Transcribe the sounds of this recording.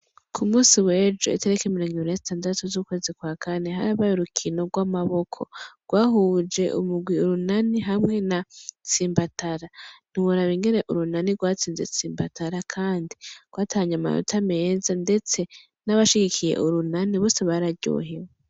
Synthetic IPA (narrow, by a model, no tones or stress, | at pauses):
kʰumuːsiwe̞ːd͡ʒo̞̰ḭte̞ɾekemiɾo̞ːŋɡiβiɾinezitʰaːndatuzukweːzikwaːkʰane̞ɦaɾaβajoɾukʰino̞ɾɡwamaβo̞kʰo̞̰ɡ̥waːɦuːd͡ʒe̞ʔṵmuɡwiuɾunaniɦamŋe̞nat͡siːmbataɾan̥iwuɾaβiŋɡe̞ne̞ʔuɾunaniɾɡwaːt͡siːnze̞̰t͡siːmba̰taɾakʰaːndiɡ̥waːtʰaɲama̰jo̰tʰame̞ːzande̞t͡se̞ | naβaʃiɡikʰije̞̰ʔuɾunaniβo̞ːse̞βaɾaɾɟo̰ːɦewe